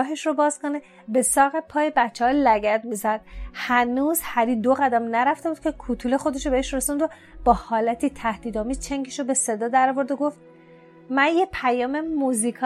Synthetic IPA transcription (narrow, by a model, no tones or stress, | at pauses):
ɦe̞ʃrobɒːz̥kone | be̞sɒːɣe̞pʰɒːjebæt͡ʃʰːehɒːlæɡæd̪mizæd̪̥̚hænuːzhæɾid̪oɣæd̪æmnæɾæft̪ebuːd̪̚cʰekʰut̪ʰule̞xo̞d̪e̞ʃobeeʃɾesund̪o | b̥ɒːhɒːlæt̪ʰit̪ʰæhd̪̥iːd̪ɒːmiːzt͡ʃʰeŋɡeʃobe̞se̞d̪ɒːd̪æɾɒvo̞ɾd̪oɡo̞ft̪ | mænjepʰæjɒːmemuzikʰɒ